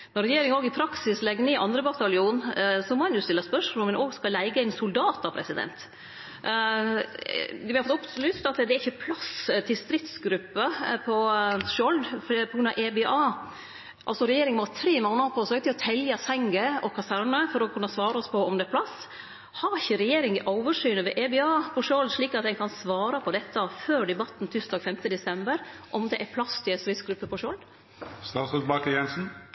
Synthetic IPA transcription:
nɔɾɛjeːɾɪŋoːɡɪpʰɾɑksɪslɛɡnɪʔɑ̰nd̪ɾəbɑt̪ɑlɪuːnsɔmɔhɑnjʊːst̪ɪlːəspœʂmoːənoːɡskɑlæɪɡəɪnsʊld̪ɑːt̪ɑpʰɾɛsɪd̪ɛ̰nt̪ | ʋɪhɑɾfɔt̪ʊplyst̪ɑt̪d̪ɛæɾɪçːəpʰlɑst̪ʰɪlst̪ɾɪt̪sɡɾʉpːəpʰɔʃɔld̪pʰɔɡɾʉnɑ̰ʋʔɛbeʔɑː | ʔɑlsɔɾɛjeːɾɪŋmɔt̪ʰɾeːmoːnəpʰɔsøːɡt̪ɪɔt̪ʰɛljɑsæŋɡəɔkʰɑsæɾɳəfɔɾɔkʰʉnːəsʋɑːɾəɔspʰɔɔmd̪ɛæpʰlɑs | hɑɾɪçəɾɛjeːɾɪŋɪʔoʊʋəʂyːnəʋɛ̰ʔebɛɑːpʰɔʃɔld̪ʂɭiːkɑt̪̚d̪ɛɪnkʰɑnsʋɑːɾɑpʰɔd̪ɛt̪ːəføːɖɛbɑt̪ːn̩t̪ʰʏst̪ɑːɡfɛmt̪əd̪ɛsɛmbəɾʔɔmd̪ɛʔæpʰlɑst̪ɪɛst̪ɾɪt̪sɡɾʉpːəpʰɔʃɔld̪ | st̪ɑːt̪sɔt̪bɑkəjɛnsn̩

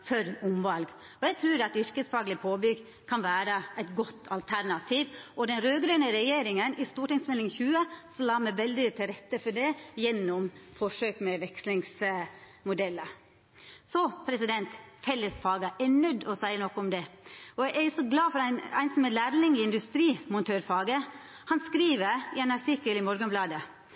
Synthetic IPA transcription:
fœɾʊmʋɑlɡ | ɔjæt̪ʰɾʉːɾɑt̪ʏɾkəsfɑːɡlɪpʰoːbʏɡ | kʰɑnʋæːɾəæɪt̪ɡɔt̪ːɑlt̪ʰæɾɳɑt̪ʰiːʋɔd̪ɛnɾøːɡɾøːnəɾɛjeːɾɪŋənɪst̪uːʈɪŋsmɛlɪŋçʉːəsɔlɑːmæʋɛld̪ɪt̪ʰɪlɾɛt̪ːəfɔɖɛjɛnːɔmfɔʂøːkmɛʋɛkslɪŋs | mʊd̪ɛlːə | sɔpʰɾɛsɪd̪ɛnt̪fɛlːəsfɑːɡəʔɛɳœd̪ːɔsæɪənɔkːʊmd̪ɛɔjææɾɪsɔɡlɑːfɔɾæɪnæ̰ɪnsɔmɛlæːɾnɪŋɪɪnd̪ʉst̪ɾiːmʊnt̪ʰøːɾfɑːɡə | hɑnskɾiːʋəɾɪɛnɑɾʈʰɪkːəlɪmɔɾɡənblɑːd̪ə

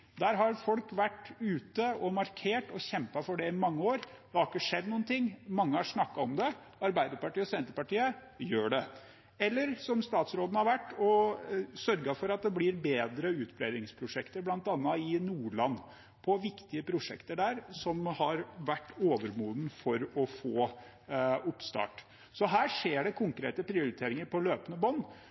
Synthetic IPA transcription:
d̪æːɾɦɑɾfɔlkʋæʈːʉːt̪əɔmɑɾkʰeːʈɔçɛmpɑfɔɖɛɪmɑŋːəoːɾd̪̥ɛhɑɾɪkːəʂɛd̪nuːənt̪ʰɪŋːmɑŋːəhɑʂnɑkːɑɔmd̪ɛ | ɑɾbæɪd̪əɾpɑʈiːɔsɛnt̪əɾpɑʈiːə | jøːɖɛ | ɛlːəɾsɔmst̪ɑːt̪sɾoːd̪n̩hɑɾʋæʈːɔsœɾɡɑfɔɾɑt̪̚d̪ɛblɪɾbeːd̪ɾəʉːt̪pʰɾed̪ɾɪŋspʰɾʊʂɛkt̪əɾblɑnt̪ɑnːɑɪnuːɭɑnː | pʰɔʋɪkt̪ɪəpʰɾʊʂɛ̰kt̪əɖæːɾsɔmhɑɾʋæʈːoːʋəɾmuːd̪n̩fɔɾɔfoː | ʊpst̪ɑ̰ːʈ | sɔɦæːʂeːɖɛkʰʊŋkɾeːt̪əpʰɾɪʊɾɪt̪ʰeːɾɪŋəɾpɔløːpənəbɔnː

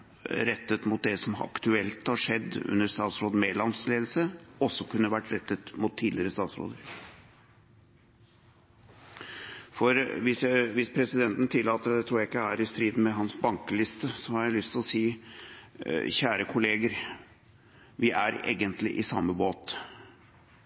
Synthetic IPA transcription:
ɾɛt̪ːət̪mʊt̪̚d̪ɛsɔmɑ̰kt̪ʉɛlt̪hɑʂɛd̪ːʉ̰nːəɾst̪ɑːt̪sɾoːd̪meːd̪lɑnmst̪leːd̪l̩səɔsːɔkʰʉnːəʋæʈːɾɛt̪ːət̪mʊt̪ʰːiːd̪ɪɾəst̪ɑːt̪sɾo̰ːd̪əɾ | fɔɾʋɪsæʋɪspʰɾɛsɪd̪ɛnt̪n̩t̪ʰɪlːɑːt̪əɾd̪ɛt̪ʰɾuːɾjæɪkːəæɾɪst̪ɾiːd̪n̩mɛɦɑnsbɑŋkəlɪst̪əsɔhɑɾjæɪlʏst̪ʰɪlɔsiː | çæːɾəkʰʊleːɡəɾ | ʋɪʔæɾḛːɡənt̪lɪ̰ʔɪsɑmːəboːt̪

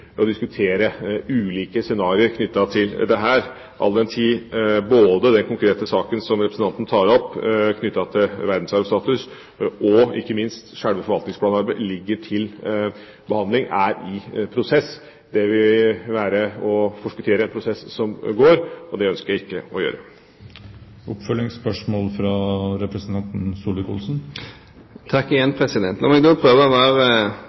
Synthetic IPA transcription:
ɔd̪ɪskʉt̪ʰeːɾəʉːliːkəsɛnɑːɾɪəɾkʰnʏt̪ːɑt̪ʰɪld̪ɛɦæːɾ | ʔɑ̰lːɛnt̪ʰiːboːd̪əd̪ɛnkʊŋkɾeːt̪əsɑːkənsɔmɾɛpɾəsn̩ɑnnət̪ʰɑːɾɔpːkʰnʏt̪ːɑt̪ʰɪlʋæɾd̪n̩sɑɾʋst̪ɑːt̪ʉs | ʔɔɪ̰kːəmɪnst̪ʂæɽʋəfɔɾʋɑlt̪ɪŋsplɑːnɑɾbəɪlɪɡːəʈʰɪl | bəhɑnd̪lɪŋæɾɪpʰɾʊsɛsː | d̪ɛʋɪʋæːɾəɔfɔʂkʉt̪ʰeːɾəɛnpʰɾʊsɛsːɔmɡoːɾɔd̪ɛœnskəɾjæɪkːəɔjø̰ːɾə | ʊpːfœlːɪŋspœʂmoːlfɾɑɾɛpɾɛsnt̪ʰɑnt̪n̩suːlɪkʰṵːlsn̩ | t̪ʰɑkːɪjɛnpʰɾɛsɪd̪ɛnt̪nɔmɛɡd̪opʰɾøːʋəʋæːɾə

